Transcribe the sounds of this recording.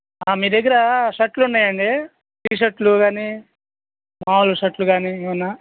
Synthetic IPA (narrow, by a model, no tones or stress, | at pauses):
aːmiːɾd̪ɐɡːɐɾɐʃɐʈluɳɖaːjɐɳɖi | tiːʃɐʈluɡaːni | maːluʃɐʈluɡaːniʋɐnːa